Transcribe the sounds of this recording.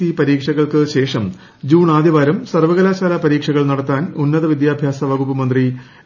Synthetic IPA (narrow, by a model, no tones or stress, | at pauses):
ipɐɾiːkʂɐɣɐɭkɨɕe̞ːʂɐm | d͡ʑuːɳaːd̪jiʋaːɾɐmsɐrʋɐɣɐlaːɕaːlapɐɾiːkʂɐɣɐɭnɐɽɐt̪ːaːnunːɐðɐʋid̪jaːbʱjaːsɐʋɐɣupːɐmɐnd̪ri